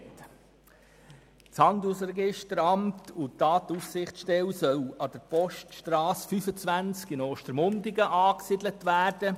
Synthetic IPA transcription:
t | t͡shɑnd̪usɾɛɡɪʃtəɾɑmtʰʊtɑːt̪ussɪχtʃtɛwsœwɑd̥əɾpɔʃtʃtɾɑːsfyfət͡sʋænt͡skɪnoːʃtəɾmʊndɪɡəʔɑːksɪdlətʋæːrd̥ə

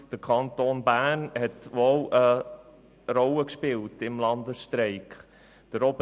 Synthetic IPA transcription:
d̥əkʰɑntoːnbæːnhɛtʋolə | ɾɔləkʃpɪltɪmlɑnd̪əsʃtɾɛɪkχ | d̥əɾɔb

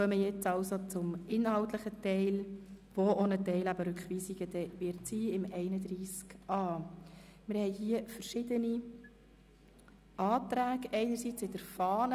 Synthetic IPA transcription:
œməjɛt͡sɑwsot͡sʊmɪnɦɑwt̪ləχətɛɪlʋoʔonətɛɪlæbəɾʉkχʋiːsiɡəd̪ɛʋɪɾtsiːɪmɛɪnəd̪ɾiːskɑː | mɪɾhɛɪjhiəfəɾʃɪdəni | ɑːt̪ɾæːɡɛɪnəɾsit͡sɪdəɾfɑːnə

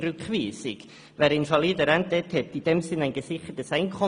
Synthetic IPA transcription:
ɾʉkχviːsḭɡ̥ | væːɾɪnfɑliːdəɾɛntɛthɛtid̥ɛmsɪnæɪnɡ̥əsɪχətəsæɪnkʰɔ

